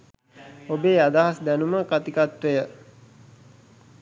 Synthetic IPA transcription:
obeːad̪aɦasd̪ænuməkat̪ikat̪ʋəjə

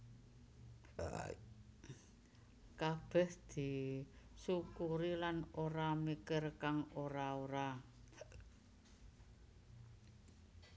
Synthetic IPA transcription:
kab̥ɛ̤hd̪̥i̤sukuɾilanoɾamikərkaŋoɾaoɾa

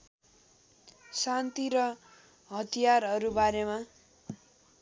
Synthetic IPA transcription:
sant̪iɾʌ | ɦʌt̪ijarʌɾubaɾema

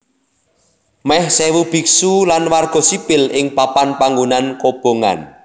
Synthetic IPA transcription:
mɛhsɛwub̥i̤ksulanwarɡ̥ɔ̤sipɪlɪŋpapanpaŋɡunankob̥o̤ŋa̰n

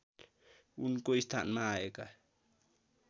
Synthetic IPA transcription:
unkoist̪ʰa̰nmaeka

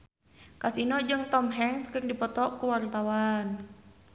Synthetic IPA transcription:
kasinɔd͡ʒɨŋt̪ɔmɦɛŋskɨrdipɔt̪ɔʔkuwart̪awan

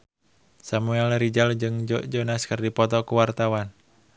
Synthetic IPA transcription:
samuɛlɾid͡ʒald͡ʒɨŋd͡ʒɔʔd͡ʒonaskɨrdipɔt̪ɔkuwart̪awan

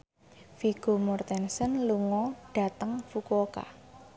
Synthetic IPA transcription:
fiɡ̥o̤mɔrt̪ɛnsənluŋɔɖ̥a̤t̪əŋfukoka̰

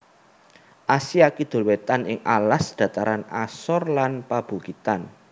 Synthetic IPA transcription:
ʔasiakid̪̥o̤lwet̪anɪŋʔalasd̪̥ä̤t̪aɾanasɔrlanpab̥uɡit̪an

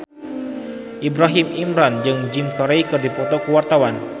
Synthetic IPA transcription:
ʔibɾaɦimimɾand͡ʒɨŋd͡ʒɪmkaɾeikɨrdipɔt̪okəwart̪awan

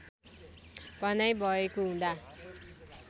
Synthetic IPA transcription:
bʱʌnajbʱʌekoɦũd̪a

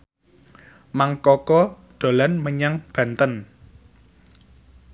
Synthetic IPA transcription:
maŋkɔkɔ | ɖ̪̥o̤lanməɲaŋb̥ä̤nt̪ən

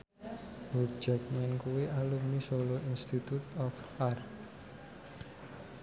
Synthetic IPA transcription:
bu̥d͡ʒɛk̚mɛnkuweʔalumisoloinst̪it̪ut̪ɔfart̪

